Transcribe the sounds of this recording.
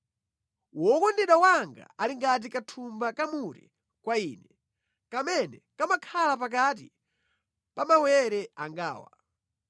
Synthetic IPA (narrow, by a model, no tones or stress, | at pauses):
wɔkɔndɛɗawaŋɡa̰aliŋɡat̬ikatʰumbakamuɾɛ | kwaiːnɛ | kamɛnɛkamakʰalap̬ak̬at̬ḭ | pamawɛɾɛaŋɡa̰ːwa̰